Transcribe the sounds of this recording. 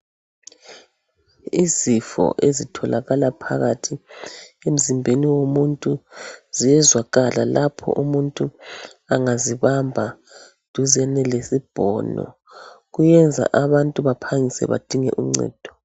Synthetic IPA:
izifɔ̰ʔezitʰɔlaɣalapʰa̰ɣatʰiem̩zimbʱeniwomuntʼuz̥ijɛzwaɣalalʔapʰɔ̰ʔumuntʼu | aŋaziβambʱa | d̥ʱuzɛnɛlesib̥ʱɔːnɔ̰ | ɣujɛnd͡zʱa̰ʔaβantʼuβapʰaŋisɛ̰βa̰d̥ʱiŋɛ̰ʔuŋ͡ǀɛ̰ːd̥ʱɔ

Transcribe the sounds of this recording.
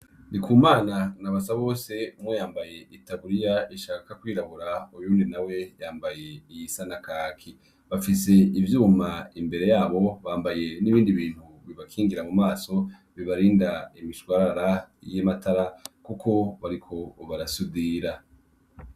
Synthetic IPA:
nikuːmaːnanaβasaβo̞ːse̞mwejaːmbaje̞ʔitaβuɾijaiʃaːkkakwiːɾahuɾaujuːndinawe̞jaːmbaje̞ijisanakaːkʰi | βafise̞ivjuːmaimbe̞ɾe̞jaːβo̞βaːmbaje̞niβiːndiβiːn̥huβiβakʰiːŋɡiɾamumaːso̞ | βiβaɾiːndaimiʃwaɾaɾajematʰaɾakukʰo̞βaɾikʰo̞βaɾasudiɾa

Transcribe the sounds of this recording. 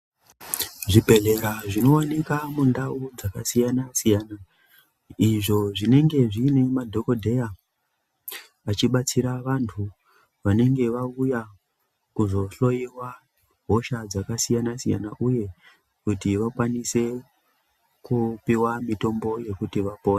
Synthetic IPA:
ʐibʱe̞ɮe̞ɾaʐino̞wanikamundaud͡zakasijanasijana | iʐo̞ʐine̞ŋɡe̞ʐine̞madʱo̞ko̞dʱe̞ja | at͡ʃiɓat͡siɾaʋantʰu | ʋane̞ŋɡe̞ʋauja | kuzo̞ɬo̞jiwa | ɦo̞ʃad͡zakasijanasija̰naʔuje̞ | kutiʋakwanise̞ | kupiwamito̞mbo̞je̞kutiʋapo̞ːne

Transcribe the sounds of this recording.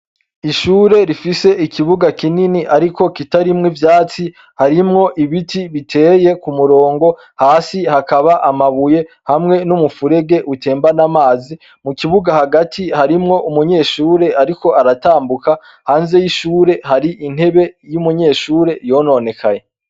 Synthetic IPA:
iʃuːɾe̞ɾifise̞ʔikʰiβuɡakininiʔaɾiko̞kitaɾimŋivjaːt͡si | haɾimŋo̞ʔiβitiβitʰe̞ːje̞kumuɾo̞ːŋɡo̞ | haːsihakaβaʔamaβuje̞ | hamŋe̞numufuɾe̞ɡe̞ʔutʰe̞ːmbanamaːzi | mukiβuɡahaɡatʰihaɾimŋo̞ʔumuɲe̞ːʃuːɾe̞aɾiko̞aɾataːmbuka | haːnze̞jiʃuːɾe̞haɾiʔin̥he̞βe̞jumuɲe̞ːʃuːɾe̞jo̞no̞ne̞kʰaɲe̞

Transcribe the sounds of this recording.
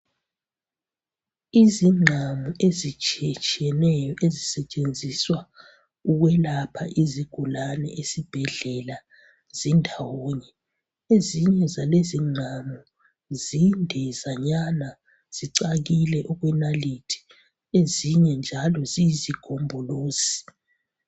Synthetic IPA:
iziŋ͡ǁʱamuʔezit͡ʃʼiɛt͡ʃʼiɛnɛjɔʔezisɛt͡ʃʼend͡zʱiswa | uɣwɛlapʰaʔiziɡ̥ʱulanɛ̰ʔesib̥ʱɛɮɛla | z̥indʱawoɲɛ | eziɲɛzaleziŋ͡ǃʱamu | zindʱɛzaɲana | z̥iǀaɣilɛʔɔɣwɛnalitʰi̥ | eziɲɛnd͡ʒʱalɔzijiziɡ̥ʱombʱɔloːsi̥

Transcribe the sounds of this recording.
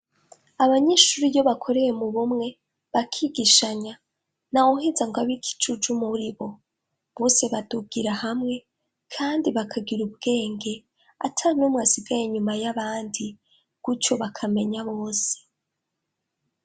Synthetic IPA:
aβaɲe̞ʃuɾijo̞βakʰo̞ɾe̞je̞muβumŋe̞ | βakʰiɡiʃaɲa | nawohezaŋɡwaβikʰi̥t͡ʃud͡ʒumuɾiβo̞ | βose̞βaduɡiɾahamŋe̞ | kʰaːndiβakʰaɡiɾubɡ̥e̞ːŋɡe̞ | a̰tʰaɾinomŋwasiɡajeɲumajaβaːndi | ɡ̥ut͡ʃo̞βakʰame̞ɲaβo̞ːse̥

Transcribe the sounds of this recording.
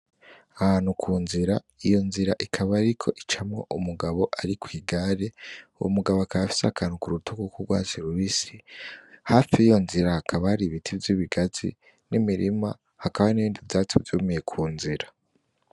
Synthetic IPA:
ahaːnhukʰuːnziɾa | ijo̞nziɾaʔikʰaβaɾikʰo̞̰ʔit͡ʃamŋo̞̰ʔumuɡaβo̞ʔaɾikwiːɡaɾeuwo̰muɡaβoakaβafi̥sakaːnhukuɾutukukuɡwa̰ːziɾuɾisihaːfiːjo̞nziɾahakʰaβahaɾiβitʰivjiːβiɡazḭ | nimiɾima̰ | hakaβaniβiːndivdaːt͡sivjumije̞kʰuːnziɾa

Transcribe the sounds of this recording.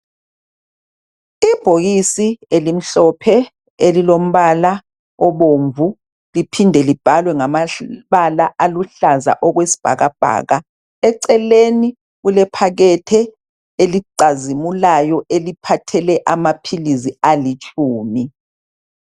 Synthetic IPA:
ib̥ʱoɣisielim̩ɬɔpʰɛ | elilom̩βala | ɔβoɱvu | lipʰindʱɛlib̥ʱalwɛŋamaβalaʔaluɬaza̰ʔɔɣwesi̥b̥ʱa̰ɣab̥ʱa̰ːɣa | ɛǀɛleni | ɣulɛpʰaɣɛtʰɛ | eliǀazimulajɔʔelipʰatʰɛlɛʔamapʰilizialit͡ʃʼuːmi

